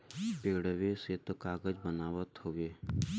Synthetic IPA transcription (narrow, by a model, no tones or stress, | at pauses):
peːɽəʋeset̪okaːɡəd͡ʒbənaːʋət̪ɦoʋeː